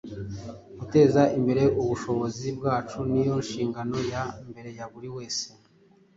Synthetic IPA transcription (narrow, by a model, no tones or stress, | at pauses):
ɡ̥ute̞ːzaimbe̞ɾe̞ʔuβuʃo̞βo̞zibɡaːt͡ʃunijo̞nʃiːŋɡano̞jambe̞ɾe̞jaβuɾiwe̞ːse̥